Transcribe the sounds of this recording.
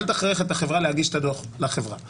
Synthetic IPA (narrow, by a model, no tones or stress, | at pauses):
lt̪aχʁeχet̪aχevʁaleaɡiʃe̥t̪ad̪oχlaχevʁa